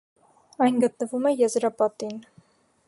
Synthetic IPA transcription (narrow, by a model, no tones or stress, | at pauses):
ɑjnɡət̪nəvumɛjɛzɾɑpɑt̪in